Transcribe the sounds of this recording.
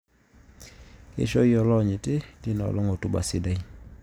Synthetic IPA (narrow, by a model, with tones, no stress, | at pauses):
kḛ˦ʃɔ˦i˦ɔ˨lɔ˦˨ɲɪ˨tɪ˦tɪ˦na˨ɔ̰˨lɔ˦ŋɔ˨tu˦ba̰˨sɪ˦da˦i˦